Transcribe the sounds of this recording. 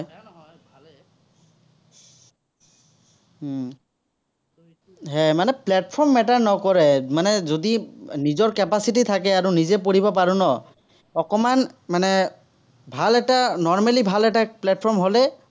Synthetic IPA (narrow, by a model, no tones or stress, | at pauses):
ɦɛmanɛplɛt̚pʰɔɹmːɛtaɹnɔkɔɹɛmanɛzodinizɔɹkɛpasitit̪ʰakɛaɹunizɛpoɹibɔpaɹunɔ | ɔkɔmanmanɛ | bʱalɛtanɔɹmalibʱalɛtaplɛt̚pʰɔɹmɦolɛ